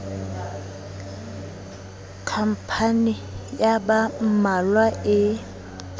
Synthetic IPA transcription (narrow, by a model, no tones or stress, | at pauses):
kʰam̩pʰanɪjabam̩malwaɪ